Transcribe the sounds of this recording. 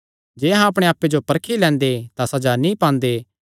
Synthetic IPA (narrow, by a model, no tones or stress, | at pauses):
d͡ʒeːɦãɐpɽ̃eaːpːed͡ʒopɐɾkʰilɛ̃ːnd̪et̪asɐd͡ʒanĩpãːnd̪e